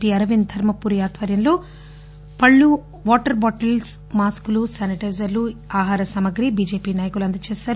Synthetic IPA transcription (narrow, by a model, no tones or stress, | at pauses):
piːɐɾɐʋind̪ʱɐɾmɐpuːɾjaːt̪ʋɐɾjɐmlo̞ː | pɐɭːu | ʋɔːʈɐɾbɔːʈɐls | maːskulusɐniʈɐːzɐɾluaːɦaːɾɐsaːmɐɡɾibiːd͡ʒeːpiːnaːjɐkuluɐnd̪ɐt͡ʃeːsaːɾ